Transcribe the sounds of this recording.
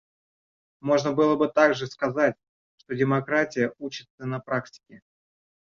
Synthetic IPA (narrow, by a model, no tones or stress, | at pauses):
mo̞ʐnəbɨlˠəbɨt̪aɡʐɨskɐzatʲ | ʂt̪o̞dʲɪmɐkɾatʲɪjəut͡ɕɪt̪sənɐpɾak̚tʲɪ̥kʲɪ